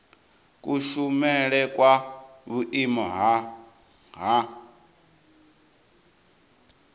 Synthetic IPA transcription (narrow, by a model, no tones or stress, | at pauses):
kʼuʃumɛɺɛkʼwaβuʔimɔɦa | ɦa